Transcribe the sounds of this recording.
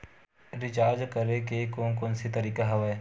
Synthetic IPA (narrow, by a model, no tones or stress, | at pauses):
ɾɪd͡ʒaːd͡ʒkəɾekekõːkõːnsit̪əɾiːkaɦɐʋee